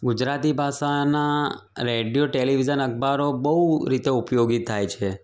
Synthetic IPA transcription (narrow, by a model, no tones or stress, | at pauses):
ɡʊd͡ʒɾat̪ibʱaʃana | ɾeɖijoʈeliʋid͡ʒənək̚baɾobəɦuɾit̪eupjoɡit̪ʰajt͡ʃʰe